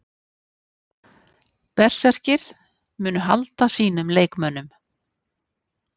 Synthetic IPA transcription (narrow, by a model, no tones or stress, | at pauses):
pɛr̥sɛr̥cɪɾ̥ | mʏːnʏɦalt̪asiːnʏmleːjkmœnːʏm